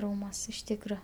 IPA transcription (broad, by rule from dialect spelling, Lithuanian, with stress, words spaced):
ˈruːmuɔsʲ ɪʃ ˈtʲiːkrɐ